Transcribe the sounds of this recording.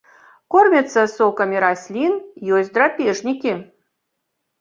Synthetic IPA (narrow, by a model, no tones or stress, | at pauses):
kormʲet̪səsokɐmʲiɾasʲlʲinjozʲd̪rapʲeʐnʲikʲi